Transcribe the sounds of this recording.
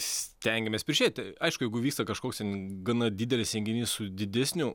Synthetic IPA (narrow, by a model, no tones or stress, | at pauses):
sʲt̪ʲɛŋʲɡʲɛmʲeːsʲpʲɪɾʲʃʲeːtʲɐɪʃkʊjɛɪɡʊʋʲiːkst̪ɐkɐʃkoːkst̪ʲɛnɡɐnɐd̪ʲiːd̪ʲɛlʲɪsʲɛŋʲɡʲɪnʲiːssʊd̪ʲɪd̪ʲæsʲnʲʊ